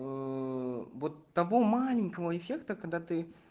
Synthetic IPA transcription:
vot̪ːɐvo̞malʲɪnʲkəvəɪfʲekt̪əkɐɡd̪at̪ɨ

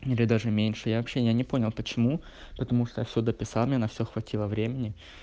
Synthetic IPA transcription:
ilʲɪd̪aʐɨmʲenʲʂɨjavɐpɕːejanʲɪpo̞nʲɪlˠpət͡ɕɪmu | pət̪ɐmuʂt̪ojafsʲod̪əpʲɪsɑ̰lˠmnʲenɐfsʲoxvɐtʲʰilˠəvɾʲemʲɪnʲɪ

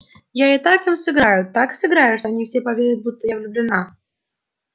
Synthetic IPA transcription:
jaɪt̪akimsɨɡɾajʊt̪aksɨɡɾajʊʂt̪oɐnʲifsʲepɐvʲeɾʲɪt̪̚but̪ːəjavlʲʊblʲɪna

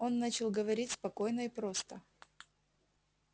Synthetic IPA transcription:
o̞nːat͡ɕɪlˠɡəvɐɾʲitʲspɐko̞jnəipɾo̞st̪ə

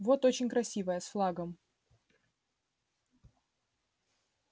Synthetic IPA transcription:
vo̞t̪o̞t͡ɕɪnʲkɾɐsʲivəjəsflˠaɡəm

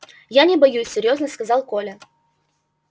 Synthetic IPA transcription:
janʲɪbɐjusʲːɪɾʲjo̞znəskɐzɑlˠko̞lʲə

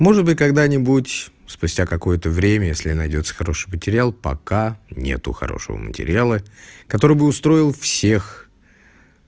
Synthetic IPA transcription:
mo̞ʐɨdt̪bɨtʲkɐɡd̪anʲɪbutʲ | spʊsʲtʲakɐko̞jət̪əvɾʲemʲəjesʲlʲɪnɐjdʲo̞t̪sə̥xɐɾo̞ʂɨjmətʲɪɾʲɪalˠpɐ̰kanʲe̞̰t̪ʊ̰xɐ̰ɾo̞̰ʂəvə̰mə̰tʲɪ̰ɾʲɪ̰jalˠəkɐt̪o̞ɾɨjbɨʊst̪ɾo̞ɪlˠfsʲe̞x

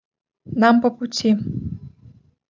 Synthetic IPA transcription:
nampɔput͡sʰi

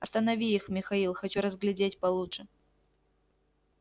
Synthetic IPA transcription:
ɐst̪ɐnɐvʲiixmʲɪxɐilˠxɐt͡ɕuɾəzɡlʲɪdʲetʲpɐlˠutʂɨ

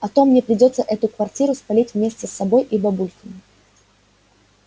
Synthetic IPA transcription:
ɐt̪o̞mːnʲe̞pɾʲɪdʲo̞t̪səʔɛt̪ʊkvɐrtʲiɾʊspɐlʲitʲvmʲesʲtʲɪsːɐbo̞jʔibɐbulʲkʲɪn

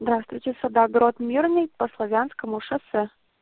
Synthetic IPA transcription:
zd̪ɾast̪vʊjtʲɪsɐd̪aɡɾot̪mʲirnɨjpəslˠɐvʲanskəmʊʂɨsɛ

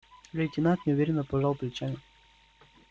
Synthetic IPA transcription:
lʲetʲɪnat̪nʲɪʊvʲeɾʲɪnːəpɐʐalˠplʲɪt͡ɕanʲɪ

